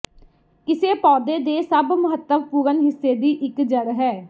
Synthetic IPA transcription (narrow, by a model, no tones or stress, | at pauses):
kɪseːpɔːd̪eːd̪eːsəbməɦət̪ːəmpuːɾənɦɪsːeːd̪iːʔɪkd͡ʒəɽɦɛː